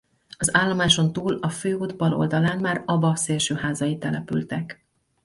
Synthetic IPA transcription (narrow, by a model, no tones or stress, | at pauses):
ɒzaːlːomaːʃo̞nt̪uːlɒføːod̪bɒlo̞̰ld̪ɒlaːnmaːɾɒbɒseːlʃøːɦaːzɒjit̪ɛlɛpy̰lt̪ɛk